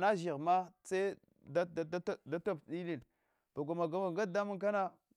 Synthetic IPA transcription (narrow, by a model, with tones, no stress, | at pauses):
na˦ʒi˨ɣma˦t͡se˦ | da˦˨a˦˨da˦to˦pɗi˦li˦˨n | b̥a˨ɡʷa˨ma˨ɡa˨˦ma˨ɡa˦da˦mu˦ŋka˦na˦